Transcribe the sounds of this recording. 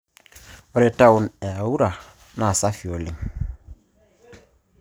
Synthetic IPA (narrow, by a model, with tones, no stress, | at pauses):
ɔ˨ɾɛ˨ta˦u˨nɛ˨a˨wu˦ɾa˨ | na˨sa˦fi˨o˨li˦ŋ